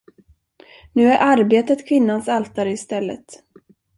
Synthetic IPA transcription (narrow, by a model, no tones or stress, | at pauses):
nʉ̟ːæɾʔaɾbeːt̪ət̪kʰvɪnːansalt̪aɾɪst̪ɛlːə̰t̪